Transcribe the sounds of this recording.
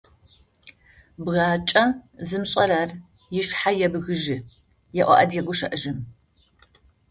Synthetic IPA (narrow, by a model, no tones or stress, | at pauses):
bɣaːt͡ʃʼɐzɨmɕʼɐraːr | jɪʃħajɛbɣɨʒɪ | jɛʔʷɐ̰ʔɐdjɛɡʷʊʃɐʔɨʒɨm